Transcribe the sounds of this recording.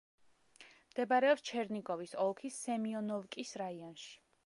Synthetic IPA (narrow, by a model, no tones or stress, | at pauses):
md̪̥ɛbaɾɛɔpst͡ʃʰɛɾniɡɔvisɔlˠkʰisɛmiɔnɔvkʼisɾaiɔnʃi̥